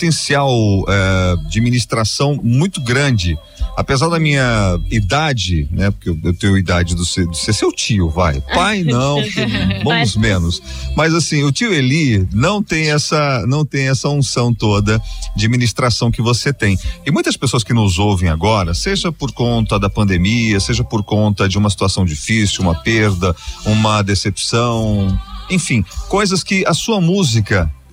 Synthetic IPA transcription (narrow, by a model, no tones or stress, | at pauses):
t̪ẽsiawɛd͡ʒaminist̪ɾasɐ̃w̃mũj̃t̪ʊɡɾɐ̃d͡ʒɪ | apezaɾd̪ɐmĩɲɐid̪ad͡ʒɪnɛpoɾkeewewt̪ẽɲʊid̪ad͡ʒɪd̪ʊsed̪ʊsesewt͡ʃiʊva̰jpajnɐ̃w̃bõmʊzmẽnʊs | mɐzasĩʊt͡ʃiʊelinɐ̃w̃t̪ẽj̃ɛsɐnɐ̃w̃t̪ẽj̃ɛsɐũsɐ̃w̃t̪od̪ɐd͡ʒɪaminist̪ɾasɐ̃w̃kɪvoset̪ẽj̃ɪmũj̃t̪ɐspesoɐskɪnʊzowvẽj̃a̰ɡɔɾɐseʒɐpoɾkõnt̪ɐd̪ɐpɐ̃nd̪emiɐseʒɐpoɾkõnt̪ɐd͡ʒɪũmɐsi̥t̪uasɐ̃w̃d͡ʒifisiuwũmɐpeɾd̪ɐũmɐd̪esepsɐ̃w̃ẽj̃fĩkojzɐskɪɐsuɐmuzikɐ